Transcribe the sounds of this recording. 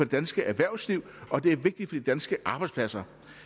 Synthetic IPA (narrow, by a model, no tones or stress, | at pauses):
ɒ̥e̝d̥ænsɡ̥əʔæɐʋæɐ̰ʊsliʊ̰ɒ̽d̥e̝æɐʋe̝ɡ̥̚d̥id̥fɒ̽d̥id̥ænsɡ̥əʔɑ̈ːb̥ɑ̈ɪdspʰlæsɐ